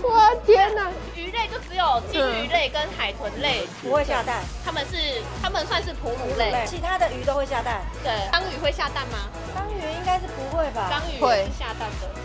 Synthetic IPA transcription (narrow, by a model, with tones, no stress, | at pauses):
wa˥˩t͡ɕjɛ˥na˨ | y˧˥le˥˧ɪt͡ɕjo˥˩ʊʈ͡ʂɻ̩˧˥jo˨˩ʊt͡ɕi˥˩ŋy˧˥le˥˩ɪkə˦nxa˨˩ɪt̪ʰwə˧˦nle˥˩ɪ | u˧˦xwe˥˧ɕja˥˧t̪a˥˩nt̪ʰa˥mə˨nʂɻ̩˥˩t̪ʰa˥mə˨nswa˥˧nʂɻ̩˥˩pʰu˧˥lu˧˥le˥˩ɪ˥˩t͡ɕʰi˧˥t̪ʰa˥d̪ə˨y˨˥t̪o˥xwe˥˧ɪɕja˥˧t̪a˥˩nt̪we˥˩ɪɑ˥ŋy˨˩xwe˥˧ɪɕja˥˧t̪a˥˩nmɐ˩ | t̪ɑ˥ŋy˨˥i˥ŋka˥ɪʂɻ̩˥˩pu˧˥xwe˥˩ɪbɐ˨˩k̪ɑ˥ŋy˨˩e˥˩˥ɕja˥˧t̪a˥˩nd̪ə˩